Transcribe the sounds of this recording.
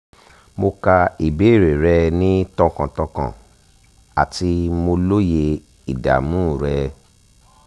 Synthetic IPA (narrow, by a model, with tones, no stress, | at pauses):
mo˧ka˧i˨be˨˦˨ɾe˨ɾɛ˧nĩ˦tɔ̃˧˨kã˨tɔ̃˧kã̰˨ | a̰˨ti˧mo˧lo˦je˧ | i˨da̰˨mũ˦˨ɾɛ˧